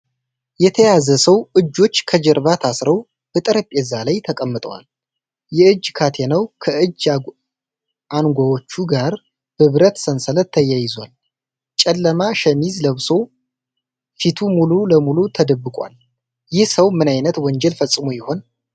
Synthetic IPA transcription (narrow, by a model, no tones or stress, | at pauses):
jɛt̪ʰəjazəsəwʔɨd͡ʒːo̞t͡ʃːkʰəd͡ʒɛɾbat̪ʰasɾəw | bɨt̪ʼɾəpʼjɛzːalajt̪ʰəkʼəmːɨt̪ʼəwa̰l | jɛɨd͡ʒːkʰat̪ʰenəwkʰəʔɨd͡ʒː | ʔanɡʷawot͡ʃːuɡaɾ | hɨβɾət̪sənsələt̪ʰːəjajɪzwal | t͡ʃʼɛlːəmaʃəmizləβso̞ | fit̪ʰumululəmulut̪ʰəd̪əbːɨkʼʷa̰l | jɪhsəwmɨnajnət̪wɔɲd͡ʒɛlfəsʼːɨmojɪho̞n